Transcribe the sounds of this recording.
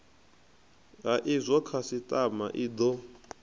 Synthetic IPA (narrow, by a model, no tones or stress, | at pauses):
ɦaʔizʷɔkʰasitʼamaʔid̪ɔ